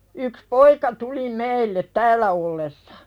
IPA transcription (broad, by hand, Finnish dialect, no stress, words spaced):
yks poikɑ tuli meilːet tæːlːæ olːesːɑ̥